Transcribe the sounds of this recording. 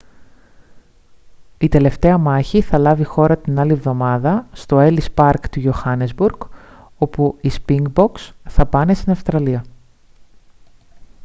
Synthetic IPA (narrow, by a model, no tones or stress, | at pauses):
it̪e̞le̞ft̪e̞ɐmɐçiθɐlɐvixo̞ɾɐt̪inɐlie̞vðo̞mɐðɐst̪o̞elispɐɾkt̪ujoxɐnezbuɾɡ̥ | o̞puispiŋɡbo̞ksθɐpɐne̞st̪inɐfst̪ɾɐliɐ